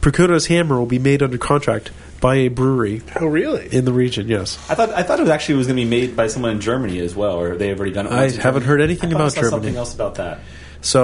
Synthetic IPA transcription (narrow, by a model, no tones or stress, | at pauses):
pʰɹ̥ɨkʰoʊɾoʊz̥hæ̃mə˞wəlˠbimeɪɾʌ̃ndə˞kʰɑ̃ntʰɹ̥æ̰k̚t̚ | b̥aɪɨbɹuɹioʊɹɪlˠiɨ̃nðəɹid͡ʒɨ̃njɛsaɪθɔɾaɪθɔɾɨt̚wʌzæk̚t͡ʃʉl̩ˠit̚wʌzɡʌnɨbimeɪd̚baɪsʌ̃mwʌ̃nɨ̃nd͡ʒɜ˞mɨ̃niɨzwɛlˠə˞ðeɪɨvˠɹɛɾidʌ̃ñɨ̰aɪ̃hævɨ̃nt̚ɦɜ˞ɾɛniθɪ̃ŋɨbaʊt̚d̥ʒ̥ɜ˞sʌmnmiθɪ̃ŋɛlˠsəbaʊt̪̚ðæ̰t̚ | soʊ